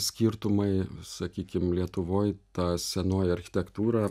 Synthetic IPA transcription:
sʲkʲiːɾt̪ʊmɐɪsɐkʲiːkʲɪmlʲiɛt̪ʊʋoːjt̪ɑːsʲɛnoːjɐɾʲxʲɪ̥t̪ʲɛkt̪uːɾɑː

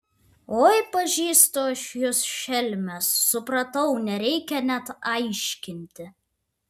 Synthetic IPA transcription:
oːjpɐʒʲiːst̪oːɐʃjosʃʲɛlʲmʲɛsːʊpɾɐt̪ɐʊnʲɛɾʲɛɪkʲɛnʲɛt̪ɐɪʃʲkʲɪnʲt̪ʲɪ

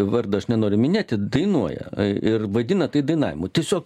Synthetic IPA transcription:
ʋɐrd̪ɐɐʃnʲɛnoːɾʲʊmʲɪnʲeːtʲɪd̪ɐɪnuɔjɛ̰ɪrʋɐd̪ʲɪnɐt̪ɐɪd̪ɐɪnɑ̰ːʋʲɪ̰mʊt̪ʲiɛsʲoːk

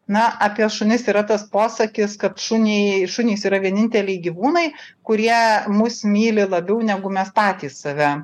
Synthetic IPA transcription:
nɐʔɑpʲɛʃʊnʲɪsiːɾɐt̪ɐspoːsɐkʲɪskɐt̪ʃʊnʲɛɪʃʊnʲiːsiːɾɐʋʲiɛnʲɪnʲt̪ʲɛlʲɛɪɡʲiʋuːnɐɪkʊɾʲiɛmʊsmʲiːlʲɪlˠɐbʲɛʊnʲɛɡʊmʲɛspɑːt̪ʲiːsːɐʋʲɛ

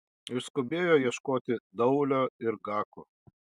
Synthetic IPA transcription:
ɪʃskʊbʲeːjoːjiɛʃkoːt̪ʲɪd̪ɐʊlʲoːɪɾɡɑːkuː

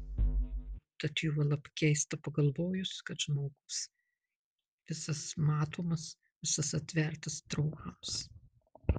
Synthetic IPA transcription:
t̪ɐt̪juːɐlˠɐpkʲɛɪst̪ɐpɐɡɐlˠʋoːjʊskɐt̪ʒ̥moːɡʊs | ʋʲɪsɐsmɑːt̪oːmɐs | ʋʲɪsɐsɐt̪ʲʋʲɛɾˑt̪ɐst̪ɾɐʊkɐms

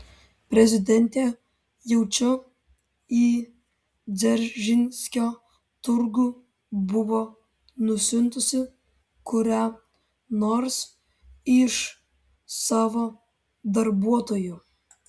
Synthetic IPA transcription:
pʲɾʲɛzʲɪd̪ʲɛnʲt̪ʲeː | jɛʊt͡ʃʲʊ | iː | d̪zʲɛɾʲʒʲɪnʲsʲkʲoː | t̪ʊɾɡuː | bʊʋoː | nʊsʲʊnt̪ʊsʲɪ | kʊɾʲæ | noːɾs | ɪʃ | sɑːʋoː | d̪ɐɾbuɔt̪oːjuː

